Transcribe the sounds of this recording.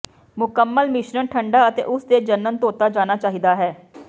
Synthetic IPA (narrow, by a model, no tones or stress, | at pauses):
mʊkəmːəlmɪʃnənʈʰəɳɖaːət̪ḛːʔʊsd̪eːd͡ʒənːənt̪oːt̪aːd͡ʒaːnaːt͡ʃaːɦiːd̪aːɦɛː